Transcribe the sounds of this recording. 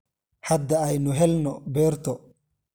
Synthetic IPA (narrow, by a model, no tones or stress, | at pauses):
ħad̪ɐːjnʊɦɛlnɔbɛːɾt̪ɔ